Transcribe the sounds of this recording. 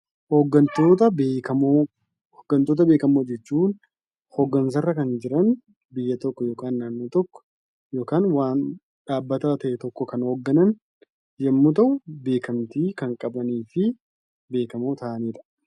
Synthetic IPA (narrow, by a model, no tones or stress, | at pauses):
hoːɡːɐnt̪oːt̪ɐbeːkɐmo | hoːɡːɐnt̪oːt̪̬ɐbe̞ːkɐmoːd͡ʒɛt͡ʃːuːn | hoɡːɐns̬ɐrːɐkɐnd͡ʒɪɾɐn | bɪjːɐt̪ɔkːɔjoːkaːnːaːnːuːt̪ɔkːɔ̥ | jo̞ːkaːnwaːn | ᶑaːbːɐt̪aːt̪ɐʔɛt̪ɔkːɔkɐnhːɡːɐnɐn | jɛmːut̪̬ɐʔʊbe̞ːkɐmt̪iːkɐŋkʼɐbɐniːfɪ | be̞ːkɐmoːt̪ʰaːʔɐniːᶑ̪ɐ̥